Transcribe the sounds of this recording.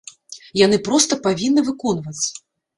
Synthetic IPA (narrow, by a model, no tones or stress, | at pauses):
janɨpɾɔst̪ɐpavʲinːɨvɨkɔnvɐt͡s̪ʲː